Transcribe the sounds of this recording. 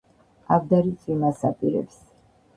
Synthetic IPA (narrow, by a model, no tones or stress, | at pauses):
avd̪aɾit̪sʼwimasapʼiɾɛ̰ps